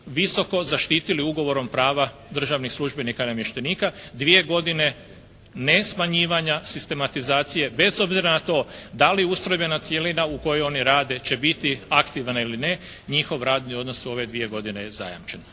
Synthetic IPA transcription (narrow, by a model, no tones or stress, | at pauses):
ʋiso̞ko̞zaʃt̪iːt̪iliuɡo̞ʋo̞ɾo̞mpɾaːʋa | d̪r̩ʒaʋnixslˠuʒbe̞nikanamjeʃt̪eniːkad̪ʋije̞ɡo̞d̪ine̞ | ne̞smaɲiːʋaɲasist̪e̞mat̪izaːt̪sije̞be̞zo̞bziɾanat̪o̞ːd̪aliust̪ɾo̞jbe̞nat̪sjelinauko̞jeo̞niɾaːd̪e̞t͡ɕe̞bit̪iakt̪iʋaniline̞ | ɲixo̞ʋɾaːd̪nio̞d̪no̞suo̞ʋe̞d̪ʋie̞ɡo̞d̪inejeza̰ja̰mt͡ʃe̞n